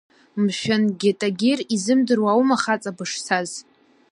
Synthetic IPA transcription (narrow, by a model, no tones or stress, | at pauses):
mʃᶣanɡʲɪtʼaɡʲerizɨmdɨrwawmaχat͡sʼabɨʂsʰaz